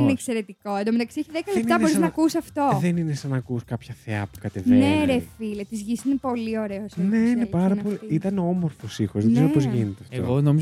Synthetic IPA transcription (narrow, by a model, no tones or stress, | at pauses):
ineːkse̞ɾe̞t̪iko̞end̪omet̪ɐksieçiðekɐlepnt̪ɐbo̞ɾiznɐkusɐft̪o̞ðeninesɐnɐːkuskɐpçɐθeɐ̰pu̥kɐt̪eveneɾeffilɐt̪izʝisinepo̞lio̞ɾeosne̞inepɐɾɐpoliit̪ɐneo̞mo̞ɾfosixozðekziopozʝinet̪eɐft̪o̰ɣonomiz